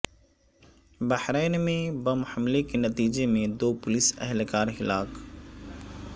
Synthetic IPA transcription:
bɐhɾɛːnmẽbɐmhɐmlekenɐt̪iːd͡ʒemẽd̪oːpʊlɪsɛ̰ɦlkaːɾɦɪlaːk

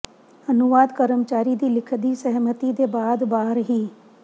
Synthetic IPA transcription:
ənʊʋaːd̪kəɾəmt͡ʃaːɾiːd̪iːlɪkʰd̪iːsəɦmət̪iːd̪eːbaːd̪baːɾɦiː

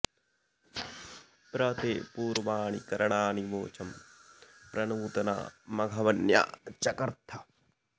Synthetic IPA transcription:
pɾɐt̪eːpuːɾʋaːɳḭkɐɾɐɳaːniʋoːt͡ʃʰɐm | pɾɐnuːt̪ɐna̰ːmɐɡʱɐʋɐnja̰ːt͡ʃɐkɐɾt̪ʰɐ

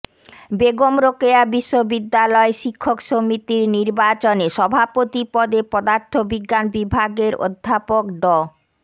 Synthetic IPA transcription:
beɡomɾokeabiʃːobid̪ːalɔeʃikʰːokʃomit̪iɾniɾbat͡ɕoneʃɔbʱapot̪ipɔd̪epɔd̪aɾt̪ʰːobiɡːanbibʱaɡeɾo̰d̪ʱːapokɖɔ

